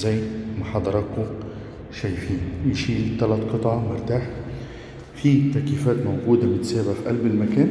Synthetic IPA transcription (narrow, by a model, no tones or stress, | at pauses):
zæjːmaħɑd̪ˤɑɾˤɑkʊ | ʃæjfiːnʃiːlt̪ælæt̪qɨt̪ˤʕɑmʊɾt̪aːħ | fiːt̪ːæʔkiːfæːt̪mawɡuːd̪amɪt̪sæːbafiʔælbɪlmakæːn